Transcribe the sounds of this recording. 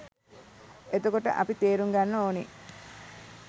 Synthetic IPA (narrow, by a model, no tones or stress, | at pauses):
et̪okoʈə̰ʔɐpit̪eːɾuŋɡanːəoːni